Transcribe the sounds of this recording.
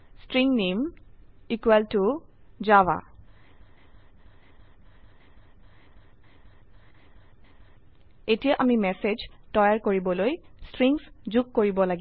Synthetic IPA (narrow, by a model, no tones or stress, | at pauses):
stɹiŋnemikwɛltuzawa̰ | etijaʔamimɛsed͡ʒtɔjaɹkoɹibɔlojstɹiŋszukkːoɹibɔlaɡi